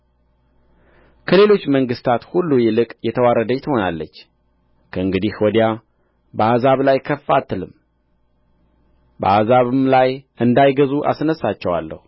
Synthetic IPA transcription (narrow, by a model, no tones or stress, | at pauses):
kʰəle̞lo̞t͡ʃːməŋɡɨst̪ʰat̪hulːujɛlɨkʼjɛt̪ʰəwaɾəd̪əjt̪ʰəho̞nalːət͡ʃː | kʰəɨŋɡɨd̪ihwɔd̪ja | bəazaβlajkʰəfːat̪ʰɨlɨm | bəazaβɨmlajʔɨnd̪ajɡəzuʔa̰snəsːat͡ʃːɛwa̰lːə̰hu